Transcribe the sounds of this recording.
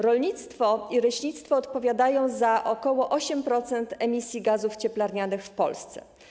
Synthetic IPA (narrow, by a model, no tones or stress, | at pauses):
ɾɔlɲit̪st̪fɔiɾɛɕɲit̪st̪fɔːt̪pɔvʲjad̪ajɔ̃w̃zaʔɔkɔwɔʔɔɕɛmpɾɔt̪sɛnt̪ɛmʲisʲjiɡazuft͡ɕɛplaɾɲanɘxfpɔ̰lst̪sɛ̰